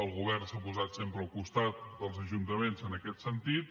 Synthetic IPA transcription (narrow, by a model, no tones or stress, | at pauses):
əlˠɣuβɛrnsapuzat̪sempɾəːlˠkust̪at̪̚d̪əlˠzəʒunt̪əmenzənəkɛt̪sənt̪it̪̚